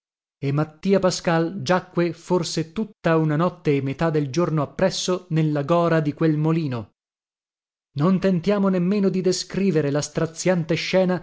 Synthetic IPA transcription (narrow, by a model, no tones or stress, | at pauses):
emːat̪ːiːapaskald͡ʒakːweforset̪ut̪ːaunanɔt̪ːeːmːet̪ad̪eld͡ʒornoapːɾɛsːonelːaɡɔːɾad̪ikwelmoliːno | nont̪ent̪jaːmonemːeːnod̪id̪eskɾiːveɾelast̪ɾat̪sːjant̪eʃːɛːna